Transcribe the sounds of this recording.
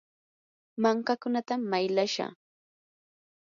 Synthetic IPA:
maŋkakʊnat̪amːajlaʃa̰

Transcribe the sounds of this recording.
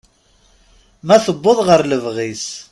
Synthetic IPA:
mæθəbːəðˤʁəɾləvʁis

